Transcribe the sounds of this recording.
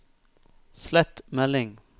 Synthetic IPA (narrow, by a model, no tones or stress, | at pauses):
slɛt̪mɛlːɪŋ